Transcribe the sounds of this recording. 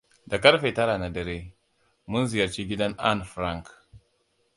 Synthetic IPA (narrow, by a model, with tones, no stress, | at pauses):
da˨kɐ˦ɾɸe˨ta˦ɾa˨na˨dɐ˨ɾe˦ | mu˦nzi˨jɐ˨ɾt͡ʃi˦ɡʲi˦da˦na̰˦˨nfɾa˦ŋk